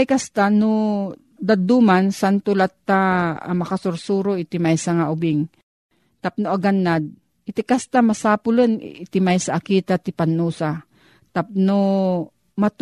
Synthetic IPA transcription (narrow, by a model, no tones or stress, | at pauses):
jkast̪ano | d̪ad̪umansant̪ʊlat̪ːa̰mɐkasʊɾsuːɾoɪt̪ɪmajsaŋaʔʊbɪŋ | t̪ap̚noʔaɡanːad̪̚ | ɪt̪ɪkast̪amasaːpʊlon̰ɪt̪ɪmajsaʔakit̪at̪ɪpanːuːsa | t̪ap̚no | mat̪